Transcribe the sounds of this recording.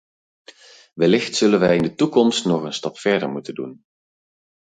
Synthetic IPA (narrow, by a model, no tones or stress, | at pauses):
ʋɛlɪxtsɵlənʋɛjɪndətukɔmstnɔχənstɑpfɛɹdə̰ɹmutəndṵn